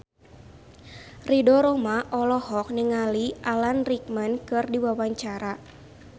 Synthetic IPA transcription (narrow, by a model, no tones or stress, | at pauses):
ridɔɾɔmaʔɔlɔhɔk̚nəŋaliʔalanrik̚mankɨrdiwawaɲt͡ʃaɾa